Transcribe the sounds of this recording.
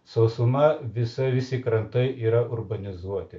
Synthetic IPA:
sɐʊsʊmɐʋʲɪsɐʋʲɪsʲɪːkɾɐnt̪ɐɪiːɾɐʔʊɾbɐnʲɪzuɔt̪ʲɪ

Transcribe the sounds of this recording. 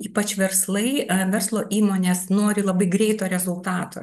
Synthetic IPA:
iːpɐt͡ʃʋʲɛɾslˠɐɪʋʲɛrslˠoːʔiːmoːnʲeːsnoːɾʲɪlˠɐbɐɪɡɾʲɛɪt̪oːɾʲɛzʊlˠt̪ɑːt̪o̰

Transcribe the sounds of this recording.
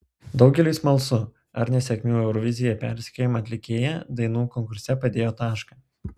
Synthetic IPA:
d̪ɒʊɡʲɛlʲɪsmɐlˠsʊ | ɐ̰ɾnʲɛsʲɛkʲmʲuːɛʊɾɔʋʲɪzʲɪjɛpʲæ̰ˑɾʲsʲɛ̥kʲojɪmɐɐt̪ʲlʲɪkʲeːjɛd̪ɐɪnuːkɔŋkʊɾʲsʲɛpɐd̪ʲeːjoːt̪ɑːʃkɑː

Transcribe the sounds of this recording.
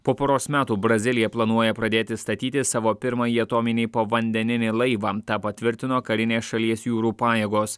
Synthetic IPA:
poːpoːɾoːsmʲæːt̪uːbɾɐzʲɪlʲɪjɛplˠɐnuɔjɛpɾɐd̪ʲeːt̪ʲɪst̪ɐt̪ʲiːt̪ʲɪsɑːʋoːpʲɪɾmɐjiɐt̪oːmʲɪnʲɛɪpoːʋɐnʲd̪ʲɛnʲɪnʲɪlˠɐɪʋɑːt̪ɑːpɐt̪ʲʋʲɪɾʲt̪ʲɪnoːkɐɾʲɪnʲeːsʃɐlʲiɛsjuːɾuːpɑːjeːɡoːs

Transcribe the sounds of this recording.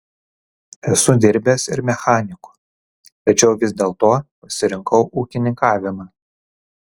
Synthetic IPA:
ɛsʊd̪ʲɪɾʲbʲeːsɪ̰ɾmʲɛxɑːnʲɪkʊ̥ | t̪ɐt͡ʃʲɛʊʋʲɪzʲd̪ʲeːlˠt̪oːpɐʃʲsʲɪɾʲɪŋkɐʊʔuːkʲɪnʲɪŋkɑːʋʲɪmɑː

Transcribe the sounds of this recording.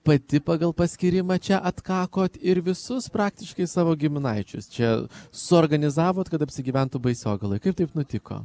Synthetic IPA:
pɐt̪ʲɪpɑːɡɐlˠpɐsʲkʲɪɾʲɪmɐt͡ʃʲɛʔɐt̪kɑːkoːt̪ɪɾʋʲɪsʊspɾɑːkt̪ʲɪʃkɐɪsɑːʋoːɡʲɪmʲɪnɐɪt͡ʃʲʊ̰st͡ʃʲɛsʊoɾɡɐnʲɪzɑːʋoːt̪kɐt̪ɐpʲsʲɪɡʲɪʋʲɛnt̪ʊbɐɪsʲoːɡɐlˠɐɪkɐɪpt̪ɐɪpnʊt̪ʲɪko̰ː

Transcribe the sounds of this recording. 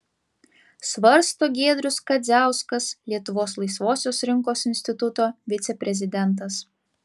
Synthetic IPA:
sʋɐɾst̪oːɡʲeːd̪ʲɾʲʊskɐd̪zʲæˑʊskɐslʲiɛt̪ʊʋoːslˠɐɪsʋoːsʲoːsɾʲɪŋkoːsɪnʲsʲt̪ʲɪt̪ʊt̪oːʋʲɪt̪sʲɛpʲɾʲɛzʲɪd̪ʲɛnˑt̪̬ɐs

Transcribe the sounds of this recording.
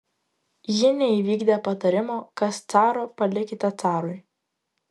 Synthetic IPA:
jɪnʲɛiʋʲiːɡd̪ʲɛpɐt̪ɐɾʲɪmoːkɐst̪sɑːɾoːpɐlʲɪkʲɪt̪ʲɐt̪sɑːɾʊɪ

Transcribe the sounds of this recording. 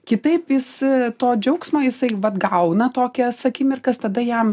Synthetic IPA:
kʲɪt̪ɐɪpjɪst̪oːd͡ʒʲɛʊksmoːjɪsɐɪʋɐt̪ɡɐʊnɐt̪oːkʲɛsɐkʲiːmʲɪrkɐst̪ɐd̪ɐjɛm

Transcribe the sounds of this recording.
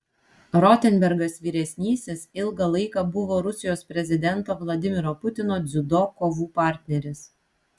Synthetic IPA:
ɾɔt̪ʲɛnʲbʲɛɾɡɐsʋʲiːɾʲɛsʲnʲiːsʲɪsɪlˠɡɐlˠɐɪkɑbʊʋoːɾʊsʲɪjoːspʲɾʲɛzʲɪd̪ʲɛnt̪oːʋlˠɐd̪ʲɪmʲɪɾoːpʊt̪ʲɪnoːd̪zʲʊd̪okoːʋuːpɑˑɾʲt̪ʲnʲɛɾʲɪs

